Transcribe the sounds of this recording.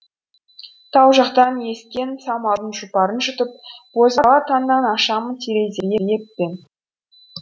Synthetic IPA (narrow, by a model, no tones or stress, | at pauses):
t̪ʰɑwʒɑqt̪ɑnje̞skʲe̞nsɑmɑlˠd̪ənʒʊpɑɾənʒʏt̪əp̚wozɑʁɑt̪ʰɑnːɑnɑʃɑmət̪ʰeɾe̞jzej̪ʲej̪e̞pːe̞n